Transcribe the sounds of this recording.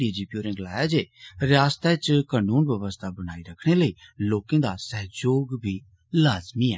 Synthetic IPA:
ɖid͡ʒipjuːɾɪ̃ŋɡlaːjad͡ʒeːɾjaːst̪ʰat͡ʃkaːnuːnʋjɐʋəst̪ʰabɐɽ̃aːiɾɐkʰɽ̃eləiloːkẽːd̪asɛɦd͡ʒoːɡbʱi | laːzmiɛ̰ː

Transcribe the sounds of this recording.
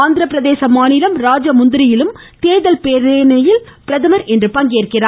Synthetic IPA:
aːnd̪ɪɾɐpːɪɾɐðeːsɐmaːnɪlɐmɾaːd͡ʒɐmʊnd̪ɪɾɪjɪlɯm | t̪eːðɐlpeɾeːnɐjɪlpɪɾɐðɐmɐɾɛndrɯpɐŋɡeːrkɪraː

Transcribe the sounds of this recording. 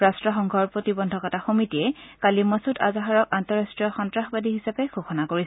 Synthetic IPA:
ɹastɹɔxɔŋɡʱɔɹpɹotibɔndʱɔkɔtaxomitiɛkalimɔsuta̰zaɦaɹɔkantɔɹastɹijɔxɔntɹaxbadiɦisapɛɡʰʱoxɔnakoɹis

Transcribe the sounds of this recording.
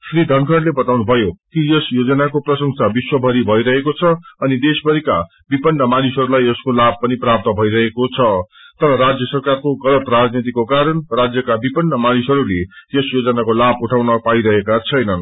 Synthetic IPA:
srid̪ʱʌnkʌnlebʌt̪awnubʱʌjokijʌsjod͡zʌnakoprʌsʌŋsabiswʌbʱʌɾibʱʌiɾʌɦekot͡sʰʌʌnid̪esbʱʌɾika | bipʌnːʌmanisʌɾulajʌskolab̚pʌniprap̚t̪ʌbʱʌiɾʌɦekot͡sʰʌ | t̪ʌɾʌɾad͡zjʌsʌrkarkoɡʌlʌt̪rad͡znit̪̬ikokaɾʌnrad͡zjʌkabipʌnːʌmanisʌɾulejʌsjod͡zʌnakolabuʈʰawnʌpaiɾʌɦekat͡sʰʌjnʌn

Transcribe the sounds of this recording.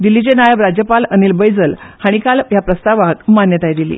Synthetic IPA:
d̪ilːit͡ɕenajəʋɾad͡ʑjəpalənilbəjd͡zəlhaɽ̃ikaljapɾəst̪aʋakmanjət̪ajd̪ilḭː

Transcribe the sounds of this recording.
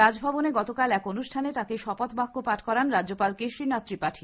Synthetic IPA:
ad͡ʑbʱɔboneɡɔt̪okalɛkonuʃʈʰanet̪akeʃɔpat̪bakːopaʈʰkɔɾanɾadopalkeʃɾinat̪ːɾipaʈʰi

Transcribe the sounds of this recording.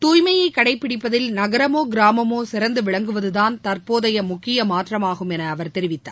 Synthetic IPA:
t̪uːjmɐjɐɪkːɐɽɐɪpːɪɽɪpːɐðɪlnɐɣɐɾɐmoːɡɪɾaːmɐmoːsɪɾɐnd̪ɯʋɪɭɐŋɡɯʋɐðɯðaːnt̪ɐrpoːðɐjɐmʊkːɪjɐmaːʈrɐmaːɣɯmɛnɐːʋɐɾt̪ɛɾɪʋɪt̪ːa̰ː

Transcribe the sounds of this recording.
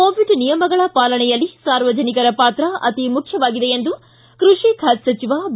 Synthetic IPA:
oːʋiɖnijɐmɐɡɐɭɐpaːlɐɳɛjɐlːisaːɾʋɐd͡ʒɐnikɐɾɐpaːt̪ɾɐɐ̰t̪imukʰjɐʋaːɡid̪eend̪u | kɾuʂikʰaːtsɐt͡ʃiʋaːb

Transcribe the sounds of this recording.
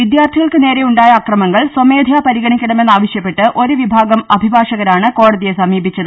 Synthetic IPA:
ʋid̪jaːrt̪ʰiɣɐɭkɨne̞ːɾe̞uɳɖaːjɐːkrɐmɐŋːɐɭsɐme̞ːd̪ʱjaːpɐɾiɣɐɳikʲːɐɳɐmenːaːʋɐɕjɐpːe̞ʈːɨʔo̞ɾuʋibʱaːɡɐmɐbʱibʱaːʂɐɣɐɾaːɳɨko̞ːɽɐðijesɐmiːbʱit͡ɕːɐðɨ

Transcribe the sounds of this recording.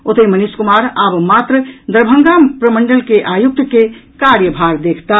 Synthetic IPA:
ot̪əiməniskumaɾabmat̪ɾəd̪əɾbʱəŋɡampɾəməɳɖəlkeʔajuk̚t̪kekaɾjəbʱaɾd̪ekʰt̪a

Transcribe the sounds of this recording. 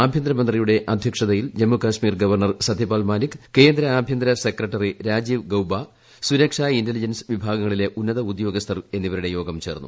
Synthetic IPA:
aːbʱjɐnd̪ɾɐmɐnd̪rijuɽe̞ʔɐd̪ʱjɐkʂɐðɐjild͡ʑɐmːukaːɕmiːrɡɐʋɐrɳɐrsɐd̪ʱːipaːlmaːlikːke̞ːnd̪ɾɐaːbʱjɐnd̪ɾɐsekrɐʈːɐriɾaːd͡ʑiːʋɡɐwba | suɾɐkʂaːindelid͡ʑɐnsɨ̥ʋibʱaːɡɐŋːɐɭile̞ʔunːɐðɐud̪jo̞ːɡɐst̪ʰɐre̞nːiʋɐɾuɽe̞jo̞ːɡɐmt͡ɕe̞ːrnːṵ

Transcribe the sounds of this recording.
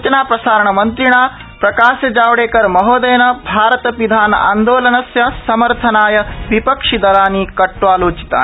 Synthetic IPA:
t͡ʃɐnaːpɾɐsaːɾɐɳɐmɐnt̪ɾiɳaː | pɾɐkaːʃjɐd͡ʒaːʋɐɽeːkɐɾmɐɦoːd̪eːnɐbʱaːɾɐt̪ɐʋid̪ʱaːnɐ̰ʔa̰ːnd̪oːlɐnɐsjɐsɐmɐɾt̪ʰɐnaːjɐʋipɐkʂid̪ɐɾaːnikɐʈʋaːloːt͡ʃi̥t̪a̰ː

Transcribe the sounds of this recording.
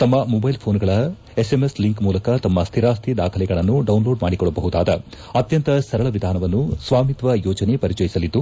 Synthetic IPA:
t̪ɐmːɐmobɐjlpʰoːnɡɐɭɐ | esemesliŋkmuːlɐkɐt̪ɐmːɐst̪ʰiɾaːst̪ʰid̪a̰ːkʰɐlɛɡɐɭɐnːuɖɐwnlo̞ːɖmaːɽikɔɭːɐbɐɦud̪aːd̪ɐ | ɐt̪jɐnt̪ɐsɐɾɐɭɐʋid̪ʱaːnɐʋɐnːusʋaːmit̪ʋɐjɔːd͡ʒɐnepɐɾit͡ʃɐjisɐlid̪ːu

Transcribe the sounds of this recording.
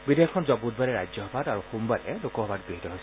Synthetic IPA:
bidejɔkʰɔnzɔbud̚baɾɛɹajzɔɦɔbʱataɹuxumbadɛ̰lokɔɦɔbʱatɡɹiɦitɔɦojs

